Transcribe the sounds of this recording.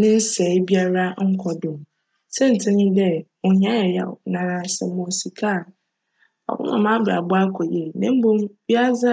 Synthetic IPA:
nɪ̃˦n̩˦sɛ˨˦bi˦a˦ɾa˦ŋ̩˦kʰɔ˨dʊ̃˨m˨ | sɛ̃˦n̩˨tʰɪ̃˦nɪ̃˦dɛ˦ | ɔ˨ɲã˦jɛ˨jɛ̰˨nã˨ɾã˨sɛ̰˨˦mɔ̃˨si˨kʰa˦˨ | ɔ̰˨wʊ̰˦ʊ̰̃˨mã˦ba̰˨bʊ˦a˦kʰɔ˨jɛ˨nɪ̃˦m̩˦bo˦mbi˦a˦za˦

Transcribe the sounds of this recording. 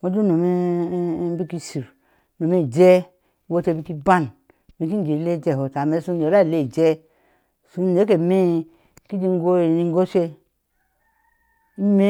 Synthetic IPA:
mo˦d͡ʒu˦no˨me˦ | bi˦ki˦si˨ɾ | no˨me˦˨d͡ʒɛ˦ | wo˦te˧˨bi˦ki˦ba˦n | me˨ki˦d͡ʒe˨le˦˨d͡ʒe˨ho˨ta˨me˦su˦˨e˨ɾa˦˨le˦˨d͡ʒɛ˦ | su˦˨e˦ke˨me˦ | ki˦d͡ʒi˦ŋ˦ɡo˦˨ni˨ŋ˦ɡo˦sʷe˦ | i˦me˦

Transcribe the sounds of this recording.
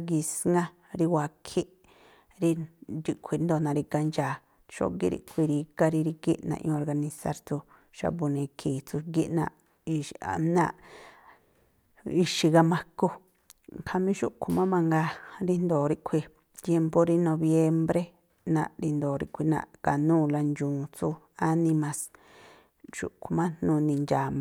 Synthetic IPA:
ɡi˧sŋɡã˦ | ɾi˧wʷa˨kʰi˦ʔ | ɾi˧ɾi˧kʷʰi˧˨nd̪o˧˨nã˧ɾi˧ka˧nd͡ʒaː˨ | ʃo̰˦ɡḭ˦ɾḭ˧ʔkʷʰi˧ɾi˧ka˧ɾi˧ɾi˧kḭ˦ʔnã̰˧ʔõ˧o˧ɾɡa˧nĩ˧sa̰˧ɾt͡su˧ | ʃa̰˧bu˧nĩ˧kʰi˨t͡su˧ɡi˦ʔnã̰˧ | i˧a̰˨nã̰˦˧ | i˧ʃi˧ɣa˧mã˦ko˧ | kʰa˧mĩ˦ʃu˦ʔkʰu˧mã˦mã˧ŋɡa˧ɾi˧nd̪oː˨ɾi˧ʔkʷʰi˧ | t̪je˧mpo˦˧ɾi˧nõ˧βje˦mbɾe˦ | nã̰˧ɾi˧nd̪o˨ɾḭ˧kʷi˧nã̰˧˨ka˨nũː˦˨la˧nd͡ʒũː˨t͡su˧ | a˦nĩ˧mã˧s | ʃṵ˨ʔku˧mã˦nnũ˧nĩ˧nd͡ʒaː˨˧

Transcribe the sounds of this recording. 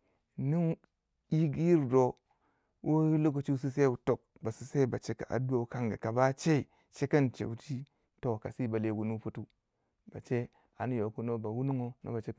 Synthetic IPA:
nu˦ŋ | i˦ɡi˦i˦ɾdo˨ | wʔo˦lo˦k̬o˨t͡ʃi˦s̬i˦s̬e˦˨wu˨to˨k̚ba˨si˨se˦˨ba˨t͡ʃe˦ka̰˨ʔa̰˨du˦o˦˨˦ka˦ŋɡa̰˨ka˨ba˦t͡ʃe˦i˨ | t͡ʃe˦ka˦nt͡ʃḛ˨˦ti˦ | to˦˨ka˨si˦˨ba˨le˦˨ɡu˨nu˦pu˦tu˦ | b̥a̰˨t͡ʃe˦ | a˨n˦jo˨ku˦no˦ba˨wu˦nu˦ŋo˦no̰˦ba˨t͡ʃe˦˨

